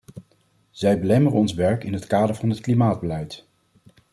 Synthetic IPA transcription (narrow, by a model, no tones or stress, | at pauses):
z̥ɛjbəlɛmərəɔnsʋɛɹkɪnɦətkaːdəɹv̥ɑnɦətklimaːd̚bəlɛjt